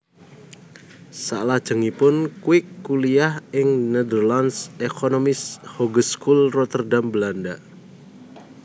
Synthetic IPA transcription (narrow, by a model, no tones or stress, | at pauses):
sa̰lḁʒ̥əŋipʊnkwɪkːuliahɪŋnɛd̪ərlansekʰonomɪshɔɡəskulrɔt̪ərdambəlanda